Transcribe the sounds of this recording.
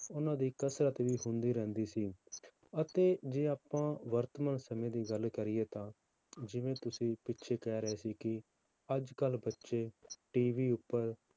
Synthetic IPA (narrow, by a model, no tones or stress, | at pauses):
ʊnãːd̪iːkəsɾət̪ʋiːɦʊ̃nd̪iːɾɛ̃ːnd̪iːsiː | ət̪eːd͡ʒeːaːpãːʋəɾt̪əmənsəmẽːd̪iːɡəlkəɾɪjeːt̪ãː | d͡ʒɪʋẽːt̪ʊsĩːpɪtːʃʰeːkɛːɾəeːsiːkɪ | əd͡ʒkəlbətːʃeːʈiːʋiːʊpːəɾ